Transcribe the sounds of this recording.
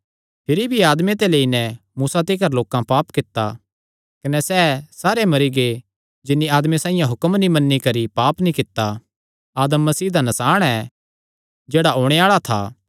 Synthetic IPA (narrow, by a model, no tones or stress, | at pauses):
pʰɪɾibʱiaːd̪mẽt̪̬eleːinɛmuːsat̪ɪkəɾloːkãpaːpkɪt̪ːa | kɐnɛsɛːsaːɾemɐɾiɡe | d͡ʒɪnːiaːd̪mesãːɪ̃jãɦʊkəmnimɐnːikɐɾipaːpnĩkɪt̪ːa | aːd̪əmːɐsiːd̪anɐsaːɽ̃ɛ | d͡ʒeːɽaɦoːɽ̃eaːɭat̪ʰa̰ː